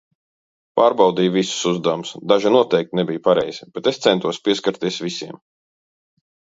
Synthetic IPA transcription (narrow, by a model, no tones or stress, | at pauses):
paːɾbɑwd̪iːjvisu̥suzd̪awmusd̪aʒinuɔt̪ɛjk̚t̪nɛbijupaɾɛjz̥ib̥ɛt̪est̪sɛnt̪uɔspiɛskaɾt̪iɛsvisiɛm